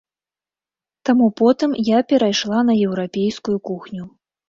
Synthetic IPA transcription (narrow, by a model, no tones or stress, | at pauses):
t̪amupɔt̪ɨmjapʲɛɾajʂlˠan̪ɐjɛwɾapʲejskujukuxnʲu